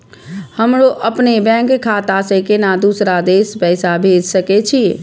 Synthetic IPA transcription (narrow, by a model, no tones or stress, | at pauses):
həmɾoʔəpnebɛ̃ŋkkʰːat̪asə̃kenad̪usɾad̪espəjsabʱed͡ʒsəket͡ʃʰi